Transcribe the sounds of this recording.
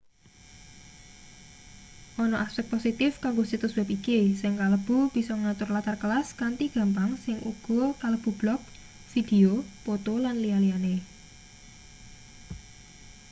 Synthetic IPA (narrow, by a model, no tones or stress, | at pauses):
ʔɔnɔʔaspɛk̚t̪posit̪ɪfkaŋɡosit̪ʊswɛpikisɪŋkaləb̥ṳb̥i̤sɔŋat̪ʊrlat̪arkəlaskant̪iɡ̥a̤mpaŋsɪŋṵɡ̥ɔ̤kaləb̥ṳb̥lɔk̚ | fid̪̥eopot̪olanlialiane